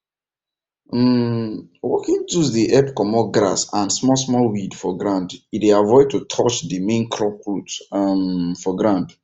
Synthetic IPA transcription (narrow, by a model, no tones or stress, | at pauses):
wɔkĩntuzðiʔɛpkɔmɔɡɾa̰sãnsmɔsmɔlwidfɔɡɹãnditdeavɔɪd̚tutʰɔt͡ʃðimẽnkʰɹɔkɹutmfɔɡɹãnd